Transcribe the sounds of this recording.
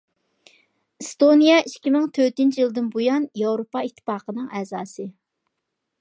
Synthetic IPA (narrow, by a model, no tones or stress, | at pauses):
st̪onijɑiʃkʲimɪŋt̪ʰøɾt̪ynt͡ʃʰijilˠd̪ɨnbojɑnjɑwɾopɑit̪ʰːɨ̥pɑːqənɨŋɛːzɑːsɨ